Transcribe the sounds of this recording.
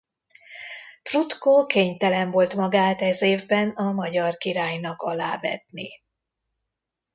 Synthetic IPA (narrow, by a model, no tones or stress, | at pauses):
t̪vut̪koːkeːɲt̪ɛlɛɱvo̞lt̪mɒɡaːt̪ɛzeːvbɛnɒmɒɟɒrkiɾaːjnɒkɒlaːbɛ̰t̪ni